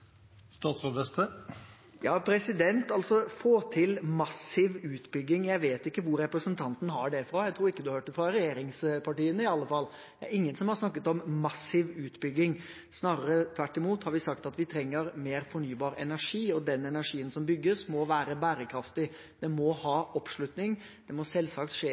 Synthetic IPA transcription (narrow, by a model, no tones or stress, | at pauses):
st̪ɑːt̪sʁod̪ɛst̪ə | jɑːpʰɾɛsɪd̪ɛnt̪ɑlt̪sɔfoːt̪ʰɪlmɑsɪʋʉːt̪bʏɡːɪŋjæɪʋeːt̪ɪkːəʋʊɾːɛpɾəsənt̪ʰɑnt̪n̩hɑɖɛfɾɑjæɪt̪ʰɾuːɾɪkːəd̪ʉhɑhøːʈːəfɾɑɾɛjeːɾɪŋspʰɑʈiːənəɪɑlːəfɑlː | d̪ɛæ̰ɾɪŋːənsɔmhɑɾsnɑkːət̪ɔmːɑsɪʋʉːt̪bʏɡːɪŋ | snɑːɾəɾət̪ʰʋæʈːɪmuːt̪hɑɾʋɪsɑkt̪ɑt̪ʋɪt̪ʰɾɛŋːəɾmeːɾfɔɳyːbɑːɾɛnæʂiːɔd̪ɛnɛnæʂiːənsɔmbʏɡːəsmɔʋæːɾəbæːɾəkʰɾɑft̪ɪ | d̪ɛmɔhɑːʔɔpːʂɭʉt̪nɪŋdd̪̥ɛmɔsɛlːsɑk̚t̪ʂeː